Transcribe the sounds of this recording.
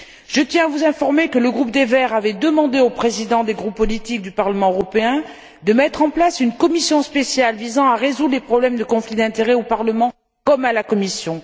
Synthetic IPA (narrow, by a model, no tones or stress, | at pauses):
ʒ̥ət̪jɛ̃avuzɛ̃fɔʁmekələɡʁupd̪evɛʁavɛd̪əmɑ̃d̪eopχezid̪ɑ̃d̪eɡʁupːɔlit̪ik̚d̪ypaʁləmɑ̃øʁɔpeɛ̃ | d̪əmɛt̪χɑ̃plasynkɔmisjɔ̃spesjalvizɑ̃aʁezud̪lepχɔblɛmd̪əkɔ̃flid̪ɛ̃t̪eʁɛopaʁləmɑ̃ | kɔmalakɔmisjɔ̃